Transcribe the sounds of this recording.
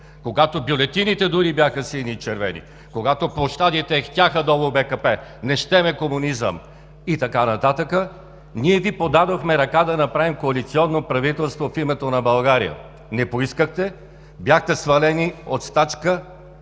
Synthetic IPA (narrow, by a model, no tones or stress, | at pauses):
koɡat̪objolɛt̪init̪ɛd̪ʊɾibʲjaxəsinit͡ʃɛɾvɛ̰nḭ | koɡat̪opoʃt̪ad̪it̪ɛxt̪ʲaxəd̪ɔvobɛkəpɛnɛʃt̪ɛmɛkomunizə̰m | it̪ɐkanɐt̪at̪əkə | niɛvipod̪ad̪oxmɛɾɐkad̪ɐnɐpɾavimkoɐlit̪siɔnːopɾɐvit̪ɛlˠst̪vofimɛt̪onɐbɐlˠɡaɾḭjə̰ | nɛpoiskəxt̪ɛ | bjaxt̪ɛsvɐlɛniot̪st̪at̪t͡ʃkə